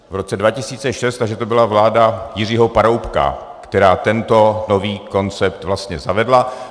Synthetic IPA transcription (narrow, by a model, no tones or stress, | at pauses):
vɾo̞t͡sɛdvacɪsiːt͡sɛʃɛst̪aʒɛt̪o̞bɪlavlaːdajɪr̝iːɦo̞paɾowpka̰ | kt̪ɛɾaːt̪ɛnt̪o̞no̞viːko̞nt͡sɛp̚t̪vlast̪ɲɛzavɛdla